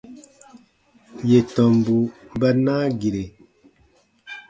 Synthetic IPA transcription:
je˨tɔ˨mbu˨bə˦naː˦ɡi˨ɾe˨

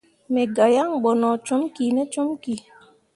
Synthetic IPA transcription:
mɛ˨ɡa˨ja˦ŋɓɔ˨nɔ˨t͡ʃo˦mki˨nɛ˦t͡ʃo˦mki˨

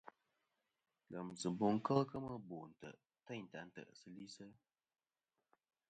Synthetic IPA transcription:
lə˨msɨ˨bo˨ŋ̩˦kə˦lkə˦mə˦bo˨n̩˨tə̰˨ʔ | tə˦˨n̩˨ta˨˦n̩˦tə̰˨ʔsɨ˦li˦sə˦

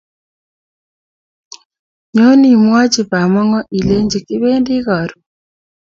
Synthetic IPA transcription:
ɲo˦ni˨mwa˦t͡ʃi˨pa˨mɔ˦ŋɔ˦ʔi˨le˦ɲd͡ʒi˨ki˦βe˦ndi˦ɣa˨ɾu˨

